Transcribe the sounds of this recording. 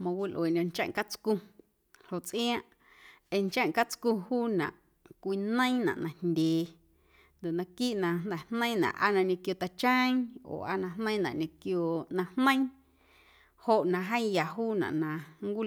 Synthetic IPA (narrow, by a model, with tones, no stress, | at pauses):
mã˧wi˦lʔwe˨nõ˧nt͡ʃã̰˦˨ŋ˨ka˦t͡skũ˧ | ho˨ʔt͡sʔĩ˦ã˦ʔ | e˧ɲt͡ʃã˦˨ŋ˨ka˦t͡skũ˧huː˦nã̰˨ʔ | kʷi˧nə̃˦ĩ˦nã̰˨ʔnã˨ndʲeː˨ | nd̪o˨ʔnã˧ki˦ʔnã˧nd̪ɛ˨hnə̃˦nã̰˨ʔa̰˦nã˧ɲẽ˧kjo˧t̪a˧t͡ʃə̃˦j̃o̰ː˨ʔa˦nã˧hnə̃˦j̃nã̰˨ʔɲõ˧kjo˧nã˧hnə̃˦j̃ | ho˨ʔnã˧ɦə̃˦ja˨ɦuː˦nã̰˨ʔnã˧˨ŋ˦kʷi˦